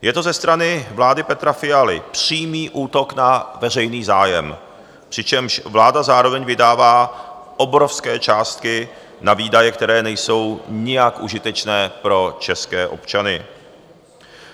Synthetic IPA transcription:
jɛt̪o̞zɛst̪ɾanɪvlaːdɪpɛt̪ɾafɪjalɪ̰pr̝̥iːmiːʔuːt̪o̞knavɛrɛjniːzaːjɛm | pr̥ɪt͡ʃɛmʃvlaːdazaːɾo̞vɛɲvɪdaːvaːʔobɾofskɛːt͡ʃaːst̪̚kɪ | naviːdajɛkt̪ɛɾɛːnɛjso̞wɲɪjakʔuʒɪt̪ɛt͡ʃnɛːpɾo̞t͡ʃɛskɛːʔo̞̰pt͡ʃanɪ

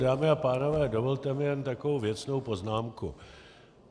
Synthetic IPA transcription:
daːmɪapaːno̞vɛːdo̞volt̪ɛmɪjɛnt̪akovowvjɛt͡sno̞wpo̞znaːmkṵ

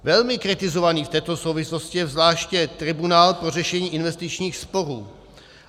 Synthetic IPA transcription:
vɛlmɪkɾɪt̪ɪzovaniːft̪ɛːt̪o̞sowvɪslo̞scɪjɛvzlaːʃcɛt̪ɾɪbunaːlpɾo̞rɛʃɛɲiːʔɪnvɛst̪ɪt͡ʃɲiːxspo̞ɾuː

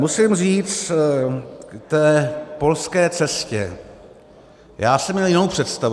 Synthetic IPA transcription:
musɪmriːt͡st | t̪ɛːpo̞lskɛːt͡sɛscɛ̰ | jaːsɛmɲɛljɪnowpr̝̥ɛt̪st̪av

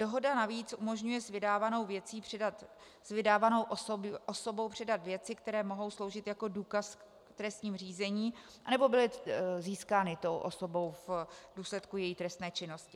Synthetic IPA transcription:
d̥o̞ɦo̞danaviːt͡sʔumo̞ʒɲujɛzvɪdaːvano̞wvjɛt͡siːpɛat̪ | svɪdaːvano̞wʔbʔoso̞bo̞wpr̝̥ɛdat̪vjɛt͡sɪkt̪ɛɾɛːmo̞ɦo̞wslo̞wʒɪt̪jako̞duːkask | t̪ɾɛst̪ɲiːmr̝iːzɛɲiːʔanɛbo̞bɪlɪziːskaːnɪt̪owʔoso̞bo̞wfvduːslɛt̪kujɛjiːt̪ɾɛst̪nɛːt͡ʃɪno̞scɪ

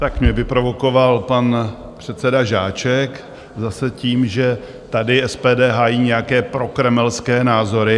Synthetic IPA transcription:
t̪akmɲɛvɪpɾo̞vo̞ko̞valpan | pr̥ɛt̪sɛdaʒaːt͡ʃɛk | zasɛciːmʒɛ | t̪adɪɛspɛːdɛːɦaːjiːɲɛjakɛːpɾo̞kɾɛmɛlskɛːnaːzo̞ɾɪ

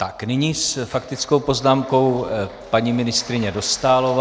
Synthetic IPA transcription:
t̪aknɪɲisfakt̪ɪt͡sko̞wpo̞znaːmko̞w | paɲimɪnɪst̪ɾɪɲɛdo̞st̪aːlov

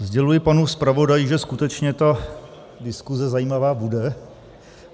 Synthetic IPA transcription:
zɟɛlujɪpanuspɾavo̞dajɪʒɛskut̪ɛt͡ʃɲɛt̪a | dɪskuzɛzajiːmavaːbudɛ

